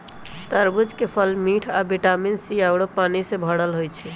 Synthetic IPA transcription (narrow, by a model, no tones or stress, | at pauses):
t̪əɾbud͡ʒkepʰəlmiʈʰabiʈaminsijawɽopanisebʱəɽəlɦojt͡ʃʰɛ